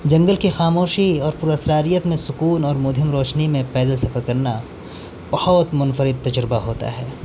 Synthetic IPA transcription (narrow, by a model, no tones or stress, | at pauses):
d͡ʒɐ̃ŋɡəlkixaːmoːʃiɔːɾpʊɾəsɾaːɾijət̪mẽsʊkuːnɔːɾmʊd̪ʱɪmɾɔːʃnimẽpɛːd̪əlsɐfəɾkɐɾna | b̥ɐhɔt̪mʊnfəɾɪd̪̚t̪ɐd͡ʒɾɪbaɦoːt̪a̰ɦɛː